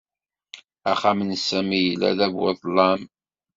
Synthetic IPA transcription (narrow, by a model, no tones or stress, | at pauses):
æχamənsæmijəlæ̰ðævwə̰ðˤlɑm